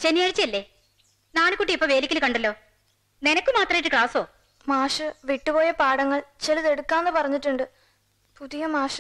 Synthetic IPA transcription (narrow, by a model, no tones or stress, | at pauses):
t͡ɕenːijaːɻit͡ɕːjɐlːe̞ː | naːɳɨkːuːʈːiipːoʋe̞ːlikʲːilkɐɳɖɐlːo̞ː | nenɐkʲːɨmaːt̪rɐmjiʈːɨkɭaːso̞ː | maːʂɨʋiʈːɨpo̞ːjɐpaːɽɐŋːɐɭt͡ɕelɐðe̞ɽukːaːnːɨpɐrɐɲːiʈːuɳɖɨ | puðijɐmaːʂɨ̥